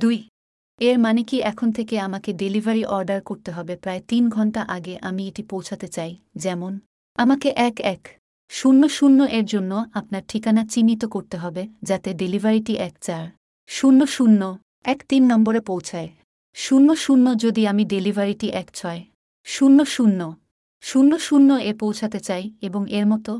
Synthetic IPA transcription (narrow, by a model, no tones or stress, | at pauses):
d̪uj | eɾmanikiʔɛkʰont̪ʰekeamakeɖelibʱaɾiʔɔɾɖaɾkoɾt̪eɦɔbepɾaet̪inɡʱɔɳʈaʔaɡeʔamieʈipowt͡ɕʰat̪et͡ɕaj | d͡ʑɛmon | amakeʔɛkɛk | ʃunːoʃunːoʔeɾd͡ʑonːoapnaɾʈʰikanat͡ɕinːit̪okoɾt̪eɦɔbed͡ʑat̪eɖelibaɾiʈiʔɛkt͡ɕaɾ | ʃunːoʃunːo | ɛkt̪inːɔmboɾepowt͡ɕʰae | ʃunːoʃunːod͡ʑod̪iamiɖelibʱaɾiʈiʔɛkt͡ɕʰɔe | ʃunːoʃunːo | ʃunːoʃunːoepowt͡ɕʰat̪et͡ɕajeboŋeɾmɔt̪o